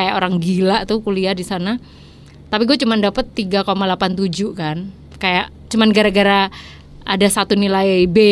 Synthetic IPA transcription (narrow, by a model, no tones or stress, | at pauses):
ajaʔoɾaŋɡilaʔt̪ukuliahdisana | t̪apiɡuat͡ʃumandapət̪ːiɡakomalapant̪ud͡ʒukan | kajaʔ | t͡ʃumanɡaɾaɡaɾa | a̰dasat̪unilabe